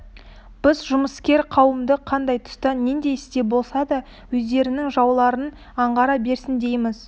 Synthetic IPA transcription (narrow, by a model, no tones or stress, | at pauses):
b̥ɪzʒʊməskʲe̞ɾqʰɑwəmd̪əqʰɑnd̪ɑjt̪ʰʊ̥st̪ɑneŋd̪e̞jɪst̪e̞bo̞lˠsɑd̪ɑ | wɵzd̪e̞ɾɪnɪŋʒɑwlˠɑɾən | ɑɴʁɑɾɑbe̞ɾsɪnd̪e̞jmɪz̥